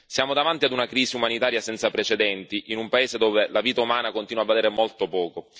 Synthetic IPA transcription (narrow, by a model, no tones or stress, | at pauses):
sjaːmod̪avant̪iad̪unakɾiːziumanit̪aːɾjasɛnt̪sapɾet͡ʃed̪ɛnt̪iʔinumpaeːzed̪oːvelaviːt̪aumaːnakont̪inwavːaleːɾemolt̪opɔːko